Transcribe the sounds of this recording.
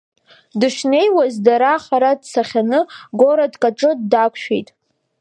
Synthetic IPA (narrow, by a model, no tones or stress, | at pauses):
dɨʃne̞jwazdaɾaχaɾadsaχʲanɨɡo̞ɾadkʼaʈ͡ʂʼɨdːakʷʰʃᶣḛjtʼ